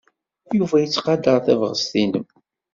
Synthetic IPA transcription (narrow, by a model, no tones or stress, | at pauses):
juvæjət͡sːqɑd̪əɾˤθævʁəst̪inəm